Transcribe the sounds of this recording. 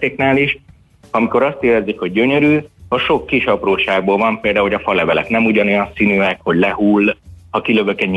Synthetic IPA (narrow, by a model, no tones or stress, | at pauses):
t̪eːknaːliʃ | ɒmiko̞ɾɒst̪eːlɛzikho̞ɟ̚ːøɲøɾyːɒʃo̞kːiʃɒproːʃaːɡ̚boːlvɒmpeld̪aːuɦo̞ɟɒfɒlɛvɛlɛknɛmuɟɒno̞jɒnsiːnyːɛkho̞ɟlɛhuːlːhɒkiløvøkɛɲɲ